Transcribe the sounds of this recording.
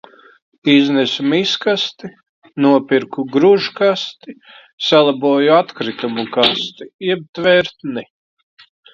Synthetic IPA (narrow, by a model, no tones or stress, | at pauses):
iznɛsumiskast̪i | nuɔpiɾkuɡɾuʒkast̪i | salˠabuːjuat̪kɾit̪umukast̪iiɛb̚t̪vɛɾt̪ni